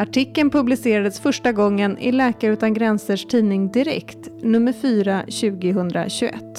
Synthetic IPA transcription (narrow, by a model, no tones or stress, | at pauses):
aʈʰɪkːənpʰɵblɪseːɾad̪əsfœʂʈaɡɔŋːənɪ̰lɛːkaɾʉ̟ːt̪anɡɾɛnsəʂʈʰiːnɪŋd̪ɪɾɛ̰kt̪nɵmːəɾfyːɾaɕʉ̟ːɡɪɦɵnd̪ɾa̰ɕɵʔɛ̰t̪ː